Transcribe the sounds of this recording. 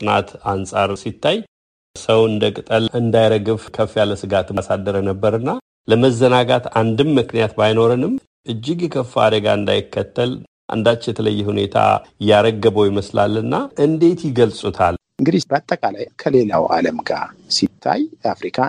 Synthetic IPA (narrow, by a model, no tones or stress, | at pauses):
sʼɨnat̪ansʼaɾsit̪ːaj | səwɨnd̪əkʼɨt̪ʼəlɨnd̪ajɾəɡɨβkʰəfːijaləsɨɡat̪sad̪ːəɾənəbːəɾɨnːa | ləməzːənaɡat̪and̪ɨmːɨknijat̪bajno̞ɾɨnɨm | ʔɨd͡ʒːɪɡɛkʰəfːa̰d̪əɡa̰ɨnd̪ajɪkʰːət̪ʰːəl | ʔa̰nd̪at͡ʃːjɛt̪ʰələ̰jːɛhune̞̰t̪ʰa̰jaɾəɡːəbəojɪməsla̰lːɨnːaʔɨnd̪e̞t̪jɪɡəlsʼut̪ʰal | ɨŋɡɨd̪ibəat̪ʼːəkʼalajkʰəle̞la̰wʔa̰ləmɡa̰sit̪ʰːa̰jafɾikʰa